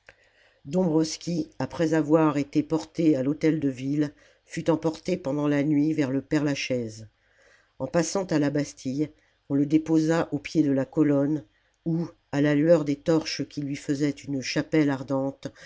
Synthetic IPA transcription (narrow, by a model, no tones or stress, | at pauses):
d̪ɔ̃bʁɔskʲiapχɛzavwaʁet̪epɔʁt̪ealot̪ɛld̪əvil | fyt̪ɑ̃pɔʁt̪epɑ̃d̪ɑ̃lanɥivɛʁləpɛʁlaʃɛz | ɑ̃pasɑ̃t̪alabast̪ʰij | ɔ̃ləd̪epozaʔopjed̪əlakɔlɔn | u | alalyœʁd̪et̪ɔʁʃəkʲilɥifəzɛt̪ynʃapɛlaʁd̪ɑ̃t̪